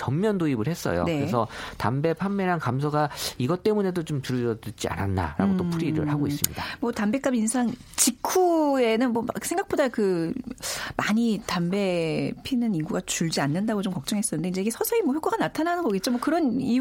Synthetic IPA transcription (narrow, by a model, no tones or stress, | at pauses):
t͡ɕʌmːjʌndoibɯɭɦes͈ʌ̰jo̰kne̞ɯɾesʰʌta̰mbe̞pʰamːe̞ɾankamsʰʌɡaiɡʌt͈e̞mune̞dot͡ɕomtuɾɯd͡ʑʌdɯt͡ɕia̰na̰nːa̰ɾa̰ɡotopʰuɾiɾɯ̰ɭhaɡois͈ɯmɲḭdamwʌtambe̞k͈aminsʰaŋ | t͡ɕikʰue̞nɯnmwʌma̰ksʰeŋɡak̚p͈odakɯ | maɲitambe̞pʰinɯniɡuɡat͡ɕuɭd͡ʑianːɯndaɡot͡ɕomkʌk̚t͡ɕ͈ʌŋɦe̞s͈ʌnɯnde̞ind͡ʑe̞iɡesʰʌsʰʌimwoʌɸjok͈ʰoɡanatʰananɯnɡʌɡet̚t͡ɕomwʌkɯɾʌni